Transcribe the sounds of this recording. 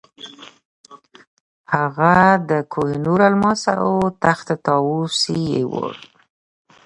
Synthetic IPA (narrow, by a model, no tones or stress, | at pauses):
haɣad̪əkʰohɪnuɾalmɑsa̰ʔat̪axt̪at̪ɑwusijḛwo̰ɽ